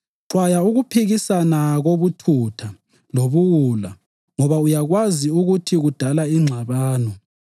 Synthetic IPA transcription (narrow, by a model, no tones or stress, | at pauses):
ǁwajauɣupʰiɣisanaɣoβutʰutʰa | loβuwula | ŋɔβaujaɣwaziuɣutʰiɣud̥ʱalaiŋ͡ǁʱaβaːnɔ